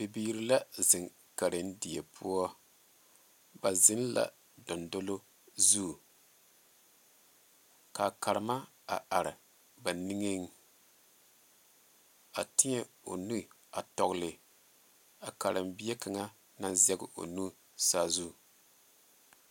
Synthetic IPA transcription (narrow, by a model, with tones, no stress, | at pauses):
be˨biː˦ɾi˦la˦zɪ˨ŋ | ka˨ɾɨ˨n˦di˨jɛ˨pʰu˦ɔ˦ | ba˨zɪ˦n˦la̰˨ | dɔ˨ndo˦lo˦ | zu˦˨ | ka˨ka˨ɾɪ˨ma˦ | a̰˨ʔa˨ɾɪ˨ | ba˨ni˦ŋe˦ŋ˦˨ | a˨tɪ˦ɲɛ˦ | o̰˨nu˦˨ | a˨tɔ˨ɣlɪ˨ | a˨ka˨ɾʔɨ˨mbi˦e˦ka˨ŋa˦ | na˦nzɛ˦ɡʊ˦ʔo̰˨nu˦ | saː˦˨zu˦˨